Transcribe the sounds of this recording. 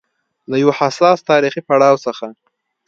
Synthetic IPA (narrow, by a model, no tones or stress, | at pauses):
lajawahasɑst̪ɑɾixipaɽɑwsəxa